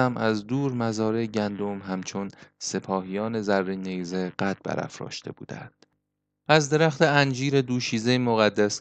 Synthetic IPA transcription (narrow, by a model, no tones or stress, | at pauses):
æmʔæzd̪uːɾmæzɒːɾeɟænd̪o̞mɦæmt͡ʃʰonse̞pʰɒːhijɒːne̞zærːinejzeɢæt̪̚bæ̰ɾæ̰fɾɒ̰ːʃt̪ʰe̞̰bṵːd̪æ̰nd̪̥ | ʔæzd̪e̞ɾæxt̪ʰeænd͡ʒiːɾe̞d̪uːʃiːzejmoɣæd̪ːæs